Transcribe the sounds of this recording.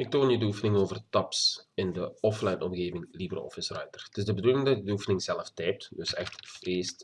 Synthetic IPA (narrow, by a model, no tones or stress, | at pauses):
ɪk̚toːnjədəufənɪŋoːvərtɑpsɪndəɔflɛjnɔmɣeːvɪŋlibrɔ̰fɪsrœɥtərtɪsdəbəduːlɪŋdɑtədəufənɪŋzɛləftɛːp̚tdøsɛxtfreːst